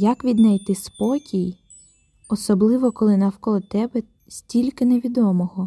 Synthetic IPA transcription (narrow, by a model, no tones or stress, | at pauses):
jɐkʋʲid̪nɐjt̪ɪspɔkʲij | ɔsɔblˠɪʋɔkɔlˠɪnɐwkɔlˠt̪ɛbɛ | sʲtʲilʲkɪneʋʲid̪ɔmɔɦɔ